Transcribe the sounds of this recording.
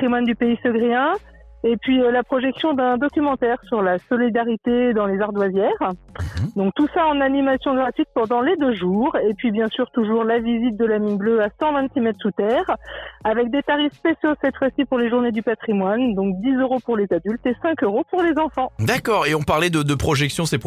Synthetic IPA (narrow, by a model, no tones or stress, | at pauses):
χimwand̪ypeisəɡʁiɛ̃ | epɥiølapχɔʒɛksjɔ̃d̪ɛ̃d̪ɔkʲymɑ̃t̪ɛʁsyʁlasɔlid̪aʁit̪ed̪ɑ̃lezaʁd̪wazjɛːʁ | d̪ɔ̃k̚t̪usaɑ̃nanimasjɔ̃ɡʁat̪ɥit̪̚pɑ̃d̪ɑ̃led̪øʒuːʁepɥibjɛ̃syʁt̪uʒuʁlavizit̪̚d̪əlaminbløasɑ̃vɛ̃nt̪simɛt̪χsut̪ɛːʁavɛk̚d̪et̪aʁifspesjosɛt̪fwasipuʁleʒuʁned̪ypat̪χimwand̪ɔ̃k̚d̪izøʁopuʁlezad̪ylt̪esɛ̃køʁopuʁlezɑ̃fɑ̃d̪akɔʁeɔ̃paʁlɛd̪əd̪əpχɔʒɛksjɔ̃sep